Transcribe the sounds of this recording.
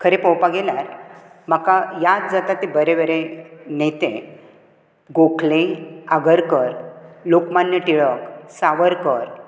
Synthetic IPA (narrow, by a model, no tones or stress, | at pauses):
kʰəɾepowpaɡeljaɾ | m̤əkajat̪d͡zat̪at̪ːebəɾebəɾenet̪ḛ̃ | ɡokʰlẽaɡəɾkəɾlokmanjəʈiɭəksaʋəɾkəɾ